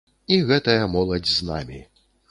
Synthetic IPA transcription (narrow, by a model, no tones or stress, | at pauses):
iɣɛt̪ɐjɐmɔlˠɐd͡zʲzna̰mʲi